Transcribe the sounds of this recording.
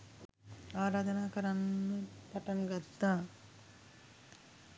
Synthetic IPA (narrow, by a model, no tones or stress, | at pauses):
aːɾaːd̪ɐnaːkɐɾanːəpɐʈɐnɡɐd̪ːaː